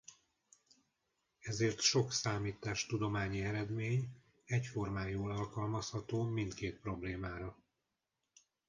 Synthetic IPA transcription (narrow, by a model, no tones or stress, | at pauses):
ɛzeːrt̪ʃo̞ksaːmiːt̪aːʃt̪ud̪o̞maːɲiɛɾɛd̪meːɲ | ɛcfo̞rmaːjoːlɒlkɒlmɒshɒt̪oːmint̪keːt̪̚pro̞bleːmaːɾɒ